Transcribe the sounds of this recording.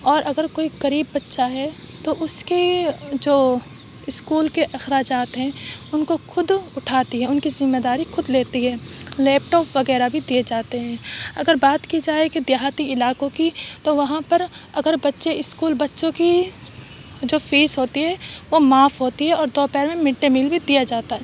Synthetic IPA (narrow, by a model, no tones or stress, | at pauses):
ɔːɾʔɐɡəɾkoːikɐɾiːbːɐtːʃaɦɛ | t̪oʔʊskid͡ʒoː | ɪskuːlkeʔɐxɾaːd͡ʒaːt̪ɦɛ̃ːʊnkoxʊd̪ʊʈʰaːt̪iɦɛ̃ʊnkizɪmːeːd̪aːɾixʊd̪leːt̪iɦɛːleːp̚ʈɔːpʋɐɣɛːɾabʱid̪ied͡ʒaːt̪eɦɛ̃ːɐ̰ɡəɾbaːt̪kid͡ʒaːeked̪jaɦaːt̪iɪlaːkõkit̪oʋɐɦãpɐɾɐɡəɾbɐtːʃeɪskuːlbɐtːʃõki | d͡ʒoːfiːsɦoːt̪iɦɛʋomaːfɦoːt̪iɦɛɔːɾd̪ɔːpɛːɾmẽmɪʈːemiːlbʱid̪ijad͡ʒaːt̪aɦɛː